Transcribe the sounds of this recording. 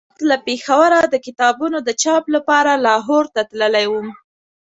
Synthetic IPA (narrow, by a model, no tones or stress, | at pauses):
t̪lapexawaɾad̪əkɪt̪ɑbunod̪ət͡ʃɑplapɑɾalɑɦoɾt̪at̪ləlajwum